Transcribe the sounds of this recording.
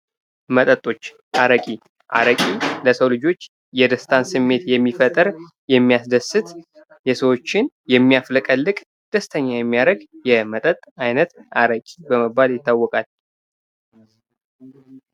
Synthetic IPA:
mət̪ʼət̪ʼːo̞t͡ʃː | ʔaɾəkʼi | ʔa̰ɾəkʼiləsəwlɨd͡ʒo̞t͡ʃː | jɛd̪əst̪ʰansɨmːe̞t̪jɛmːifət̪ʼɨɾ | jɛmːijasd̪əsːɨt̪ | jɛsəwo̞t͡ʃːɪn | jɛmːijafləkʼəlːɨkʼ | d̪̥əst̪ʰəɲːajɛmːijaɾəɡjɛmət̪ʼət̪ʼajnət̪ʔaɾəkʼibəməbːaljɪt̪ːawːɔkʼal

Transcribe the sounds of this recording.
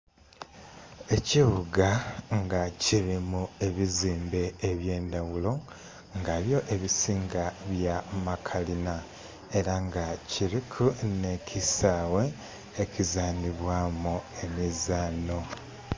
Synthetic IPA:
e̞ciβuɡaŋɡaciɾimue̞βiziːmbe̞ːβje̞ːndawulo̞ | ŋɡaːβjo̞ʔe̞βisiːŋɡaβjamakʰalina | e̞ɾaŋɡaciɾikʰune̞cʰisaːwe̞ː | cizaːniβwaːmue̞mizaːno̞

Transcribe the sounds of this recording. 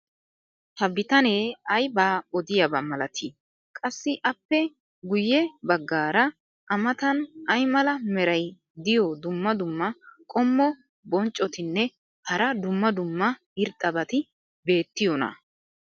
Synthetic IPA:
hɐbɪt̪ɐneːɐjbaːɔd̪ɪjɐbɐmɐlɐt̪ʰiː | kʼɐsːɪʔɐpːɛ | ɡʊjːɛbɐɡːaːɾɐ | ʔɐmɐt̪ɐnɐjmɐlɐmɛɾɐj | d̪ɪjɔd̪ʊmːɐd̪ʊmːɐkʼɔmːɔ | bɔnt͡ʃʼːɔt̪ɪnːɛ | hɐɾɐd̪ʊmːɐd̪ʊmːɐ | ɪɾt̪ʼːɐbɐt̪ɪ | be̞ːt̪ːɪjɔnɐ̰

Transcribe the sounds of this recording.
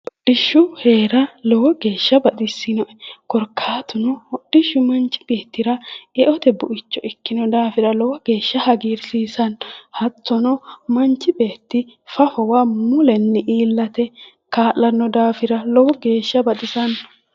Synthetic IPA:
ɗɪʃːʊhe̞ːɾɐlɔwɔɡe̞ːʃːɐbɐt̪ʼɪsːɪnɔʔɛkɔɾkʰːaːt̪ʊnɔɔɗːɪʃːʊmɐnt͡ʃːɪ̥b̥eːt̪ːɪɾɐɛʔɔt̪ɛbʊʔɪt͡ʃːɔʔɪkːɪnɔd̪aːfɪɾɐlɔwɔɡ̥e̞ːʃːɐhɐɡiːɾsiːsɐnhɐt͡sːɔnɔmɐnt͡ʃːɪbe̞ːt̪ːɪ | fɐfɔwamʊlɛnːɪʔiːlːɐt̪ɛ | kaːʔːɐnːɔd̪aːfɪɾɐlɔwɔɡe̞ːʃːɐbɐt̪ʼɪsɐn

